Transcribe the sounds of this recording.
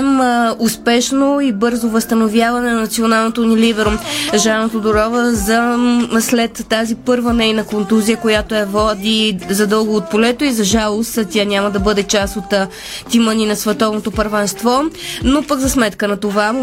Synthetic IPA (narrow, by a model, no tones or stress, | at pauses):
mʊspɛʃnoibɤɾzovəst̪ɐnovʲjavɐnɛnɐnɐt̪sionalˠnot̪onilivɛɾoʒanot̪od̪oɾɔvəzɐslɛt̪ːazipɤɾvənɛjnɐkont̪uzijəkojat̪oɛvɔd̪izɐd̪ɤlˠɡoːt̪̚polɛt̪oizɐʒalˠost̪ʲanʲamɐd̪ɐbɤd̪ɛt͡ʃasot̪ | t̪iməninɐsvɛt̪ɔvnot̪opəɾvɛnst̪vɔnopəɡzɐsmɛt̪kənɐt̪ova